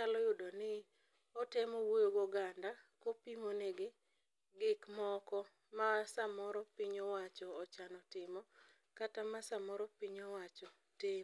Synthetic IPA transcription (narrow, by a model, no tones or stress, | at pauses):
alɔjʊdɔnɪ | ɔtɛmɔwojoɡoɡandakopimoneɡɪ | ɡɪkmɔkɔ | masamɔɾɔpɪɲɔwat͡ʃɔːt͡ʃanɔtɪmɔ | katamasamɔɾɔpiɲɔwat͡ʃɔ | tɪ